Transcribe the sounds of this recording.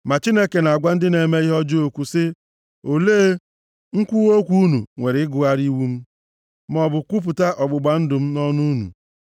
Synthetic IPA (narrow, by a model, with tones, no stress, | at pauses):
ma˨t͡ʃi˦ne˦ke˨na˨a˨ɡʷa˦n̩˦dɪ˦ne˨me˦i˦ɦɔ˦d͡ʒo˦o˨kʷu˨sɪ˦ | o˨leː˦ | ŋ̩˦kʷu˦o˦kʷu˦u˦nu˨ŋʷe˨ɾɪ˨ɪ˦ɡʊ˦a˦ɾi˦wu˦m̩˦ | m˨ɔ˨bʊ˨kʷu˦p̬ʊ˨ta˦ʔɔ˨ɡ͡bʊ˨ɡ͡ba˨n̩˦dʊ˨m̩˦nɔ˦nu˦nṵ˨